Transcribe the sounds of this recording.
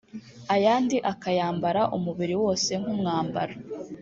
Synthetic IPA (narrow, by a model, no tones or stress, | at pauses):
ajaːndiʔakajaːmbaɾaʔumuβiɾiwo̞ːse̞ŋ̥umŋaːmba̰ɾa